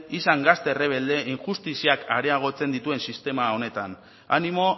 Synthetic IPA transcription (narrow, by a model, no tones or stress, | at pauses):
isaŋɡast̪e̞re̞β̞e̞ld̪e̞ʔiŋʝust̪isiakaɾe̞aɣ̞o̞t͡se̞nd̪it̪ue̞nsist̪e̞mao̞ne̞t̪an | a̰nimo̞